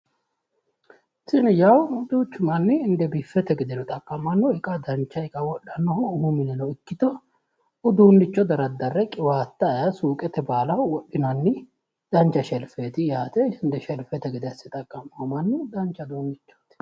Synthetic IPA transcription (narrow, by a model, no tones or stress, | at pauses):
sɪnɪjɐwʊd̪uːt͡ʃːʊmɐnːɪːnd̪ɛbifːɛt̪ɛɡɪd̪ɛnɔt̪ʼɐkʼːɐmːɐnːɔɪkʼɐd̪ɐnt͡ʃːɐɪkʼɐwɔɗːɐnːɔhɔʊhumɪnɛnɔɪkːɪt̪ɔ | ʊd̪uːnːɪt͡ʃːɔd̪ɐɾɐd̪ːɐrːɛkʼɪwaːt̪ːɐjɐsuːkʼɛt̪ɛbaːlɐwɔɗːɪnɐnːɪ | d̪̥ɐnt͡ʃːɐʃɛlfeːt̪ɪjaːt̪ɛɪnd̪ɛʃɛlfɛt̪ɛɡɪd̪ɐsɪt̪ʼɐkʼːɐmɐmɐnːɪd̪ɐnt͡ʃːɐd̪oːnːɪt͡ʃːo̥t̪